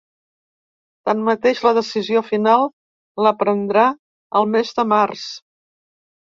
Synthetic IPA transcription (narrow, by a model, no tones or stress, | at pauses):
t̪anmət̪eʒləðəsiziofinalˠ | ləpɾənd̪ɾa | əlˠmezd̪əmars